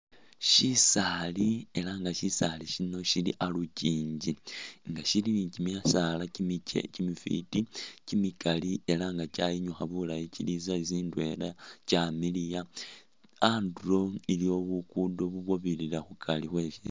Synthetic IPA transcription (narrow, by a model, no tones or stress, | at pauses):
ʃisaːlie̞laŋɡaʃisaliʃino̞ʃilḭʔaluciːɲɟiŋɡaʃilicimjasalaḛcimifḭticimikaliʔe̞laŋɡacaːjiɲuxaβulajicilizaiziːndue̞lacamilija | andulo̞ilio̞βukudo̞βuβwoβililaxukʰalixwe̞ʃi